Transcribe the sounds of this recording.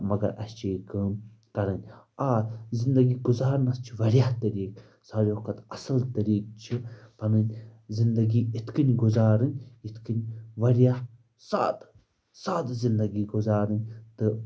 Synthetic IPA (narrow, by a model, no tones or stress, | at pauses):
mɐɡɐ̰ɾɐ̰st͡ʃʰiikɐːm | kɐɾɐnʲ | aːzind̪ɐɡiːɡʊzaːɾnɐst͡ʃʰiʋɐɾjaht̪ɐɾiːk | saːɾʲoːkɐt̪ɐsɐlt̪ɐɾiːk̚t͡ʃʰipɐnɨnʲzind̪ɐɡiːɪt̪kɨnʲɡʊzaːɾɨnʲɪt̪ʰkɨnʲʋɐɾijah | sa̰ːt̪ | saːt̪zind̪ɐɡiːɡʊzaːɾɨnʲt̪ɨ